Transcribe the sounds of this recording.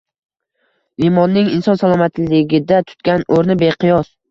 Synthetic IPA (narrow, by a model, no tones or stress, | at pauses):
vimɒnːɪŋɪnsɒnsalˠɒmat̪ʰlɪɡʲɪd̪at̪ʰʊ̥t̪̚kʲanoɾnɪbeqʰɨjɒs